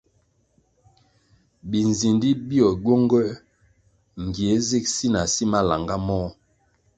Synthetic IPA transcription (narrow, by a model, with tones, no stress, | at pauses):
bi˨n˨zi˨ndi˦bi˦ɔ˨ɟo˦ŋɡɛ˦ | ŋ˨ɡi˨e˨˦ze˦˨k̚si˦na˨si˦ma˦la˨ŋɡa˦mɔ˦